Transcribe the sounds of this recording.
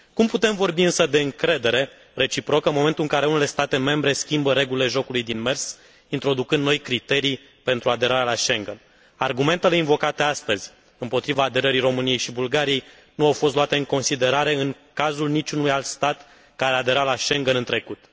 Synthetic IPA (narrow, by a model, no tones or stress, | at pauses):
kumput̪e̞mvo̞rbiɨnsəd̪e̞ɨŋkɾe̞d̪e̞ɾe̞ | re̞t͡ʃipɾo̞kənmo̞me̞nt̪ulɨŋkaɾeunele̞st̪at̪e̞me̞mbɾe̞skʲimbəɾe̞ɡulile̞ʒo̞kulujd̪inme̞rs | int̪ɾo̞d̪ukɨnd̪no̞jkɾit̪e̞ɾij | pe̞nt̪ɾuad̪e̞ɾaɾalaʃe̞ŋɡen | arɡume̞nt̪e̞le̞invo̞kat̪e̞ast̪əzʲ | ɨmpo̞t̪ɾivaːd̪e̞ɾəɾiɾo̞mɨnije̞jʃibulɡaɾije̞j | nuawfo̞st̪loat̪e̞ɨŋko̞nsid̪e̞ɾaɾe̞ɨŋ | kazulnit͡ʃʲunujalt̪st̪at̪ | kaɾe̞ad̪eɾalaʃe̞ŋɡenɨnt̪ɾe̞kut̪